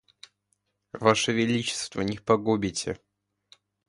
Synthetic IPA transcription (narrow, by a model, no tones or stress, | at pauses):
vaʂəvʲɪlʲit͡ɕɪ̥st̪vənʲɪxpɐɡubʲɪtʲɪ̰